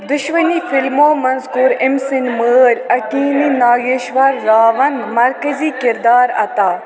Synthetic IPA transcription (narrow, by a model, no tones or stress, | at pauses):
d̪ʊʃmɐniːfɪlmoːmɐnzkuɾɪmsɪnməːɾʲɐkiːniːnaːɡeːʃʋɐɾːaːʋɐnmɐɾkɐziːkɪɾd̪aːɾɐ̰t̪aː